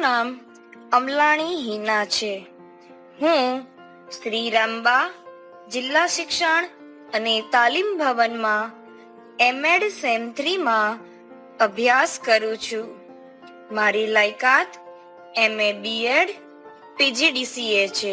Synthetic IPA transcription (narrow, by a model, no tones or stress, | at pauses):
nam | əmlaɽ̃iɦinat͡ʃʰe | ɦũ | ʃɾiɾəmba | d͡ʒɪlːaʃɪkʃəɳ̃ | ənet̪alimbʱəʋənmã | emeɽsɛnt̪ɾimã | əbʱjaskəɾũt͡ʃʰũ | maɾilajkat̪ʰ | emebieɽ | pid͡ʒiɖisiet͡ʃʰe